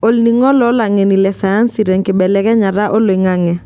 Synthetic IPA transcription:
o˦lni˨ŋɔ˦lɔ˦la˨ŋɛ˨ni˨lɛ˨sa˨a˦nsi˨ɾɛ˨ŋkɪ˨bɛ˨lɛ˦kɛ˦ɲa˨ɾa˦ʔo˦lo˨ɪ˨ŋa˦ŋɛ˨

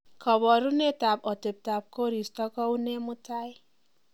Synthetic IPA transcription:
kʰɔ˨βɔ˨ɾu˦ne˦ta˨pɔ˨te˨p̚ta˨p̚ko˦ɾi˨stɔ˦kɔ˦wne˦mʊ˦ta˦j

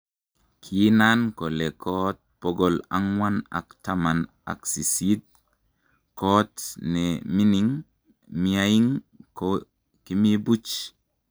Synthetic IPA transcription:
kʰi˦na˦nko˨le˨kʰɔ˦t̚poɡɔ˨la̰˦ŋwa˦na̰˨kta˦ma˨n | a̰˨ksi˨si˦t̚ | ko˦tnɛmi˦ni˨ŋ | miaji˦ŋ | ko | ki˦mi˦bu˦t͡ʃ

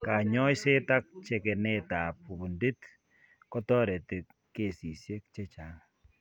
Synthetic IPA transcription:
ka˨ɲɔ˦jse˦ta˦k̚t͡ʃe˨kɛ˨nɛ˦ta˨p̚u˨bu˨ndi˦t | kɔ˦tɔ˦ɾe˨te˨k | kːe˨si˨sje˦k̚t͡ʃe˦t͡ʃa˨ŋa

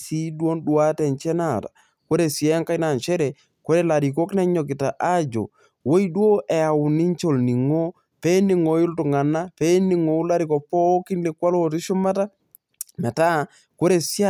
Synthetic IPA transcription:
si˦dwo˦ndwa˦tɛ˨nt͡ʃɛ˦na˨tḁ̰˨ | ko˦ɾe˨sjɛ˦ŋka˦jna˨nt͡ʃɛ˦ɾɛ˨ | ko˦ɾe˦la˨ɾi˨ko˦knɛ˦ɲɔ˨kɪ˨ta˨ʔa˦d͡ʒo̰˨ | wo˦i˦dwo˦ʔɛ˨a˨wʊ˨ni˦ɲt͡ʃo˨lni˨ŋo˦ | pɛ˦ni˨ŋo˨jʊ˦ltʊ˨ŋa˨na˦pɛ˦ni˨ŋo˨u˦la˦ɾi˨kɔ˨pɔ˦ki˦nle˨kwa˦lo˦ti˦ʃʊ˦ma˦ta˦ | mɛ˨ta˦ | ko˦ɾe˨sa˦

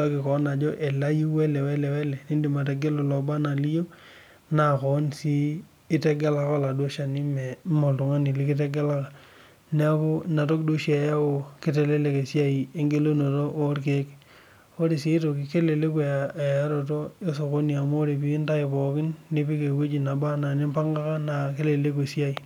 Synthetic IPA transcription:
a˦ki˨kɔ˨˦na˨d͡ʒɔ˦ʔe˨la˦ji˦we˦le˨wɛ˦lɛ˨wɛ˦lɛ˨ni˦ndi˨ma˨te˨ɡe˦lo˨lɔ˨ba˦na˨li˦jo˦ | na˨kɔ˨˦nsiː˦ | tɛ˦ɡe˦la˦ka˦la˨do˦ʃa˨ni˦mɛ˨mo˨ltu˨ŋa˦ni˨li˦kɪ˦t̬e˦ɡe˦la˦ka˨ | nɛ˦a˦ko˦na˨to˦kdo˦ʃi˦a˨ja˦o˨ke˦te˨le˦le˨ke˨sja˦i˨e˦ŋɡe˦lo˦no˨to˦ʔo˦ɾk̬e˦k | o˦ɾe˨si˨˦to˨ki˨ke˦le˨le˦k̬we˨a˨a˦ɾo˨to˦e˦so˨ko˦ni˨a˨mo˦ɾe˨pi˦nta˦e˨pɔ˨kɪ˦nːe˦pi˦ke˨we˦d͡ʒi˨na˨ba˦na˨ne˦mpa˦ŋɡa˦ka˦na˨ke˦le˨le˦ke˨si˦a˦i˨

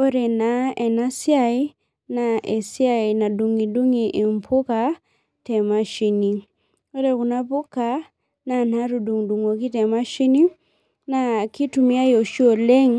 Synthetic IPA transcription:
ɔ˦ɾɛ˨na˨ɛ˨na˦sja˦i˦ | na˨ʔɛ˨sja˦i˨na˨du˨ŋi˨du˦ŋi˨ʔi˨m˨pʰu˦ka˨ | tɛ˨ma˦ʃi˧ni˨ | ɔ˦ɾɛ˨ku˨na˦pu˦ka˨ | na˨na˦ɾu˨du˨ŋdu˨ŋɔ˨ki˦tɛ˨ma˦ʃi˦ni˦ | na˨ki˦tu˨mi˦a˦jɔ˨ʃi˦ɔ˨lɛ˦ŋ˦

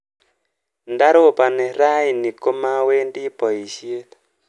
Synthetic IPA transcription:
nda˦ɾo˦˨pa˨nɛ˨ɾa˦i˨ni˨ko˦ma˦we˦ndi˦pɔ˨i˨ʃi˦e˦t

